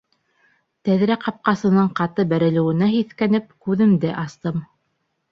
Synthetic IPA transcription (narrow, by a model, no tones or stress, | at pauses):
t̪æðɾæqɑp̚qɑsɤ̆nɤɴqɑt̪ɤbæɾɘ̆lɘ̆wɘ̆næhiθkænɘp̚kʉðɘ̆md̪ɘʔɑst̪ɤm